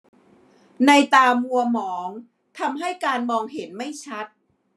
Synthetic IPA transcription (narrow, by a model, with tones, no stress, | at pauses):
na˧jt̪aː˧mu˧ɐmɔː˩˦ŋ | t̪ʰa˧mɦa˥˩jkaː˧nmɔː˧ŋɦe˩˦nma˥˩jt͡ɕʰa˦˥t̪̚